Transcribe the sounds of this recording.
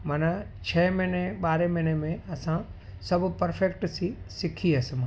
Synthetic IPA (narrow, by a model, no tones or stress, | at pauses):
mɐna | t͡ɕʰɛːmɪneɓaːɾemɪnemẽɐsã | sɐbʱʊpɐɾfek̚ʈsisɪkʰiɐsɪmã